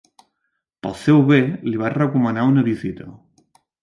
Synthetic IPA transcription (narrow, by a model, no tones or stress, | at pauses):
pə̰lˠsɛwβeliβ̞arəkumənaunəβizit̪ə